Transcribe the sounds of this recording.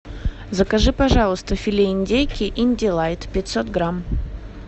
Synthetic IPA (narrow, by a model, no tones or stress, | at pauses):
zəkɐʐɨpɐʐɑlˠəst̪əfʲɪlʲeɪnʲdʲejkʲɪʔinʲdʲɪlˠajt̪pʲɪt̪ʲsot̪ɡɾam